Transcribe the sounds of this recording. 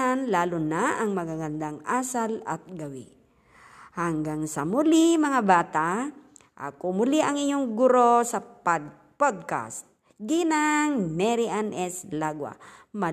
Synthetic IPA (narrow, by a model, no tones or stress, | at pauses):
anlaːlʊnaʔːŋmɐɡaɡand̪aŋasalɐ̰t̪̚ɡɐwɪ | haŋɡaŋsɐmʊlimɐŋabaːt̪a | ʔa̰kʊmʊliʔɐŋɪɲoŋɡʊɾosɐp | pod̪̚ka̰st̪̚ | ɡinaŋmɛɾiʔanʔɛslaɡwa̰ma